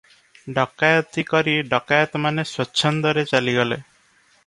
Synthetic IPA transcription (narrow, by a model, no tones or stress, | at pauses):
ɖɔkajɔt̪ikɔɾiɖɔkajɔt̪ɔmaneswɔtːʃʰɔnd̪ɔɾet͡ʃaliɡɔle